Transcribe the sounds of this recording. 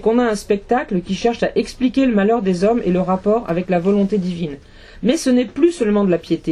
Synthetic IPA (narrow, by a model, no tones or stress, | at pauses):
kɔ̃naɛ̃spɛk̚t̪akləkʲiʃɛʁʃaʔɛksplikʲeləmalœʁd̪ezɔmḛləʁapɔʁa̰vɛklavɔlɔ̃t̪ed̪ivin | mɛsənɛplysœlmɑ̃d̪əlapjet̪e